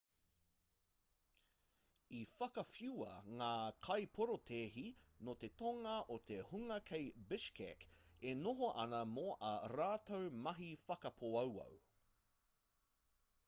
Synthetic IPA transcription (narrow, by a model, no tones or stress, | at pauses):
ifɐkɐfjuɐ̰ŋaːkʰɐjpʰoɾot̪ʰeːɦinot̪e̞t̪oŋɐʔot̪ehuŋɐkʰejbɪʃkʰɛ̰kenoɦoʔɐ̰nɐmoʔɐɾaːt̪owmɐɦifɐkɐpʰoɐwɐ̰w